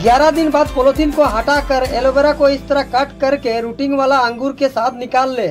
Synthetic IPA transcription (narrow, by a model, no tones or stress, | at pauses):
ɡjaːɾad̪ɪnbaːd̪poloːt̪ɪnkoɦaʈakəɾeːlobeɾakoɪst̪ɐɾakɐʈkɐɾkeɾuːʈɪ̃ŋɡʋaːlaə̃ŋɡuːɾkesaːt̪ʰnɪkaːlːeː